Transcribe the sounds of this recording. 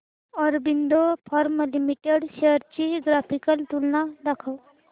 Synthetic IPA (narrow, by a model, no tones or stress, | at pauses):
ɔɾbind̪opʰɔɾmlimiʈeɽɕeəɾt͡ɕiɡɾafikəlt̪ulnad̪akʰaw